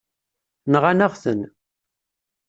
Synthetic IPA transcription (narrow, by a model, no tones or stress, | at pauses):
nʁanaʁθən